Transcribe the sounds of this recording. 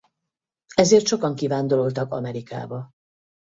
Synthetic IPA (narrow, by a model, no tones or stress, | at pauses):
ɛzeːrt̪ʃo̞kɒŋkivaːnd̪o̞lo̞lt̪ɒkɒ̰mɛɾika̰ːbɒ